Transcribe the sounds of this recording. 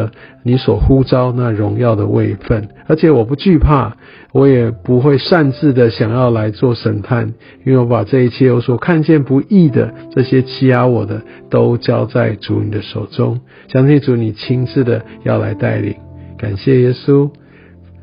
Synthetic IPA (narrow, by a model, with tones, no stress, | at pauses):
ni˧˥swɔ˨˩xu˦t͡sɑ˦˥ʊna˥˨ɻʊ˧˥ŋjɑ˥˩ʊd̪ə˨˩wʔḛ˥˧ɪfə˥˩nə˧˥t͡ɕʰjɛ˨˦wɔ˨˩pu˧˥t͡ɕy˥˧pʰa̰˥˩ | wɔ˧˥jɛ˨˩pu˧˦xwe˥˧ɪʂa˥˧nt͡sɹ̩˥˩d̪ə˨ɕjɑ˨˩ŋjɑ˥˩ʊla˧˦ɪt͡swɔ˥˩ʂə˨˩np̪ʰa˥˨n | i˥nwe˥˩ɪwɔ˧˦pa˨˩ʈ͡ʂɤ˥˧i˥˩t͡ɕʰjɛ˥jwɔ˧˦˥swɔ˨˩kʰa˥˧nt͡ɕjɛ˥˨npu˧˥i˥˩d̪ə̰˩ʈ͡ʂɤ˥˨ɕjɛ˥t͡ɕʰi˥a˧˥wɔ˨˩d̪ə˦ | t̪o˦˥ʊt͡ɕjɑ˥ʊt͡sa˥˩ɪʈ͡ʂṵ˨˥nḭ˨˩d̪ə˦ʂo˨˩ʊʈ͡ʂʊ̰˦ŋ | ɕjɑ˥ŋt̪ʰi˥ŋʈ͡ʂu˧˥˦ni˨˩t͡ɕʰi˥ŋt͡s̩˥˩d̪ə˩jɑ˥˩ʊla̰˧˥ɪt̪a̰˥˩ɪlḭ˨˩˦ŋka˨˩nɕjɛ˥˩jɛ˥su˦